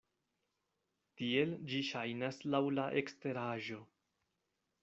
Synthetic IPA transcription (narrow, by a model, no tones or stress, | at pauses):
tie̞ld͡ʒiʃajnaslawlaʔe̞kste̞ɾaʒo̞